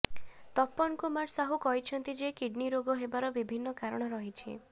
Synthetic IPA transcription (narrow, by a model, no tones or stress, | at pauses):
t̪ɔpːɔnkumaʈsaɦukɔɦit͡ʃʰɔnt̪id͡ʒekiɖniɾoɡɔɦebaɾɔbibʱinːɔkaɾɔɽ̃ɔɾɔɦit͡ʃʰḭ